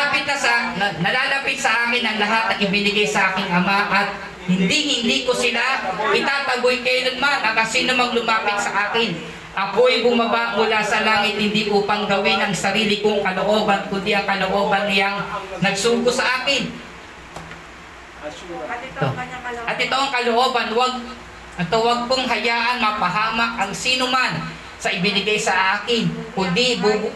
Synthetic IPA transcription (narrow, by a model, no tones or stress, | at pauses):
apɪt̪̚nɐsɐnɐlaːlɐpɪt̪̚sɐʔaːkɪnʔɐŋlɐɦat̪nɐɪbɪnɪɡajsɐʔaːkɪŋɐmaʔɐt̪̚ | hɪnd̪ihɪnd̪ikosɪlaʔɪt̪aːt̪ɐɡojkɛjnɐnmanɐkɐŋsiːnʊmɐŋlʊmaːpɪt̪̚sɐʔaːkɪn | ʔɐkoɐjbʊmɐbamʊlaːsɐlaːŋɪt̪̚hɪnd̪iʔuːpɐŋɡɐwɪnʔɐŋsɐɾiːlɪkoŋkɐloʔo̞ːbɐnkʊnd̪iʔɐŋkɐlo̞ʔo̞ːbɐnːɪjaŋnɐɡ̚suːɡʊsɐʔaːkɪn | t̪oʔɐt̪ʔɪt̪o̞ɐŋkɐloʔo̞ːbanwɐɡ̚ | ʔɪt̪owɐɡ̚koŋɦɐjaːʔɐnmɐpɐɦaːmak̚ɐŋsiːnoman | sɐʔɪbɪnɪɡajsɐʔaːkɪnkʊnd̪ibu